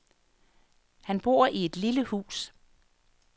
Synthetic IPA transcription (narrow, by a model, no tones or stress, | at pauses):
hænb̥o̝̰ɐ̰ʔie̝d̥liləhṵːs